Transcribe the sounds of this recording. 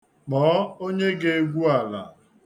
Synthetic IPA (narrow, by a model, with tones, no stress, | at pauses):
k͡pɔː˨˦o˦ɲe˦ɡe˦ɡʷu˦a˨la̰˨